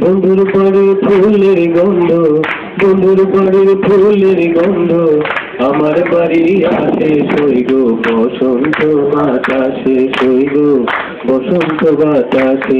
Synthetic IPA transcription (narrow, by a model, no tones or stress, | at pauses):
bʱɔnd̪ʱuɾbaɾiɾpʰuleɾɡɔnd̪ʱo | bɔnd̪ʱuɾbaɾiɾpʰuleɾɡɔnd̪ʱo | amaɾbaɾiɾasʰesoiɡobɔsɔnt̪ɔbat̪asesoiɡo | bɔsɔnt̪ɔbat̪ase